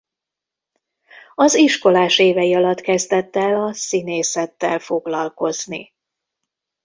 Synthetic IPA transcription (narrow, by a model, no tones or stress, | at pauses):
ɒziʃko̞laːʃeːvɛjiɒlɒt̪kɛzd̪ɛt̪ːɛlɒsineːsɛt̪ːɛlfo̞ɡlɒlko̞znḭ